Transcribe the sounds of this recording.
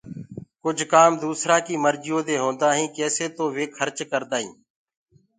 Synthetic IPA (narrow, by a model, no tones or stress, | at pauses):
kʊd͡ʒʱkaːmd̪uːsɾaːkiːməɾd͡ʒɪjõːd̪eːɦõːnd̪aːɦĩːkɛːseːt̪oːʋeːkʰəɾt͡ʃkəɾd̪aːɦḭ̃ː